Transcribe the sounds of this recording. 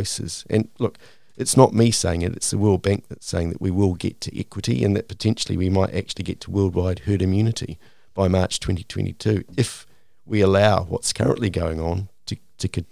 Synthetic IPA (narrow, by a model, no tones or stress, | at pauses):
ʊsɨ̰z̥ɨ̰̃nlʊk | ʔɨtsnət̚miseɪɪ̃ŋɨɾɨ̰tsðəwɜ˞lˠd̚bæ̃ŋk̚ðɨtseɪɪ̃ŋðɨ̰ʔwiwɪlˠɡɛ̰tʰɨʔɛ̰kwɨɾḭɨ̰̃nðɨt̚pʰə̥tʰɛ̃nʃl̩ˠḭwimaɪɾʔæ̰k̚t͡ʃʉl̩ˠiɡɛtʰəwɜ˞lˠd̚waɪd̚hɜɾɨ̃mjʉnɨɾḭ | b̥aɪmɑˑɹt͡ʃtʰw̥ɛ̃ntitʰw̥ɛ̰̃ntḭtʰʉɪf | wiəlaʊwʌ̰tskʰɜ̰ɹə̃nʔliɡoʊɪ̃ŋə̃ntʰɨ | tʰɨkʰɨ